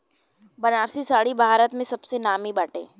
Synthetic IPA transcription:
bɐnaːɾsisaːɽibʱaːɾət̪mẽsɐbsenaːmibaːʈḛ̃ː

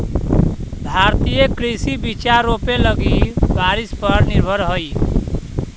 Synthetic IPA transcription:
bʱaɾt̪ijekɾisibit͡ʃaɾopelʌɡibaɾispʌɾniɾbʱəɾɦoj

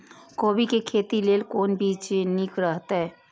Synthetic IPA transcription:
koːbikekʰeːt̪ileːlkoːnbʱiːt͡ʃnɪkɾəɦt̪aɦɛː

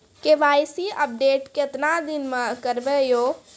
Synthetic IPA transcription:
keʋaːjsiʔəp̚ɖeːʈkeɪt̪nad̪ɪnmə̃kəɾbejoː

